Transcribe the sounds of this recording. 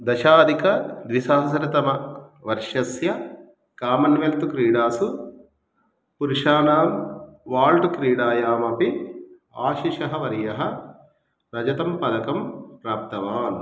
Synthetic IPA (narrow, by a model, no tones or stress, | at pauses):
d̪ɐʃaːd̪ikɐd̪ʋisaːsɾɐt̪ɐmɐʋɐɾʂɐsjɐ | kaːmɐnʋelt̪ukɾiːɽaːsu | puɾuʃaːnaːmʋaːlʈukɾiːɽaːjaːmɐpi | aːʃiʃɐɦɐʋɐɾjɐɦɐ | ɾɐd͡ʒɐt̪ɐmpɐd̪ɐkɐmpɾaːp̚t̪ɐʋaːn